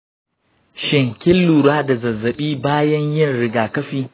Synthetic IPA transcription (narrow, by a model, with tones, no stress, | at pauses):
ʃɪ˨ŋkʲɪ˦lːuː˨ɽaː˦da˨zɐ˨zːɐ˨ɓiː˦baː˦jɐ˦ɲjɪ˦˨nɽɪ˦ɡaː˨kɐ˦ɸiː˦